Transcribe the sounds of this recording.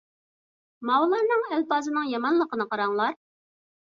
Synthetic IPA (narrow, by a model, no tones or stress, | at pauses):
mɑwlˠɑɾnɨŋɛlpɑːzɨnɨŋjɑmɑnlˠəqənɨqɑɾɑŋlˠɑɾ